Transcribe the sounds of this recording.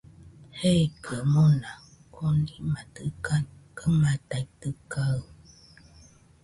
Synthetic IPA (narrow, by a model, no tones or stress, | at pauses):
hekəəmona | kʰonimatɯkakəmataitəkaɯ